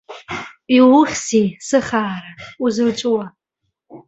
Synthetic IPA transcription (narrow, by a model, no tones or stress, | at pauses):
iwʊχʲsisɨχaːɾauzɨlt͡ʃʷʼʊwa